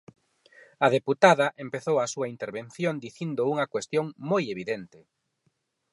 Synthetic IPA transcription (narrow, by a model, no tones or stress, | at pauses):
ɐðeput̪aðɐʔempeθowɐsuɐint̪eɾβenθjõnd̪iθind̪ʊuŋɐkwest̪joŋmojeβ̞iðent̪ɪ